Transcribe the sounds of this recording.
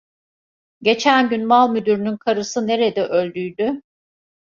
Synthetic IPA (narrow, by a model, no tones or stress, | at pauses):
ɟe̞t͡ʃʰænɟynmalˠmyd̪yɾynynkʰaɾɯsɯne̞ɾed̪ɛʔø̞lʲd̪yjd̪y